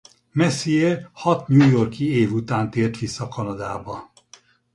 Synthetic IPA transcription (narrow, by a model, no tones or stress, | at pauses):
mɛsiehɒt̪ɲuːjorkieːvut̪aːnt̪eːrt̪ʋisːɒkɒnɒd̪aːbɒ